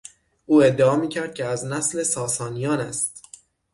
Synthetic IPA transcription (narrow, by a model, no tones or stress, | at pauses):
ʔuːe̞d̪ːeɒːmiːcʰæɾd̪̚cʲʰeæznæsle̞sɒːsɒːnijɒːnæst̪̚